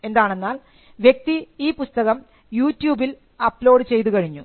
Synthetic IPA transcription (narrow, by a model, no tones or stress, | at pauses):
e̞nd̪aːɳe̞nːaːl | ʋje̞k̚t̪iiːpust̪ɐɣɐm | juːtːjuːbil | ɐplo̞ːɖɨt͡ɕe̞jt̪ukɐɻiɲːu